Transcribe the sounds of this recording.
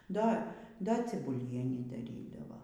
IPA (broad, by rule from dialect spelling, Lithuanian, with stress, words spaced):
ˈdɐ ˈdɐ t͡sʲɪbʊˈlʲiɛnʲiː dɐˈrʲiːdɐʋɐ